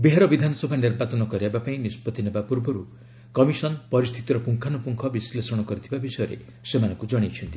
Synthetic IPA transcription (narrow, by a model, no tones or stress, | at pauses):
beɦeɾɔbid̪ʱanɔsɔbʱaniɾbat͡ʃɔnɔkɔɾiabapaĩnispɔt̪inebapuɾbɔɾu | kɔmisɔnpɔɾist̪ʰit̪iɾɔpuŋkʰanupuŋkʰɔbislesɔɽ̃ɔkɔɾit̪ʰibabisɔjɔɾḛ | semanɔŋkud͡ʒɔɽ̃it͡ʃʰɔnt̪i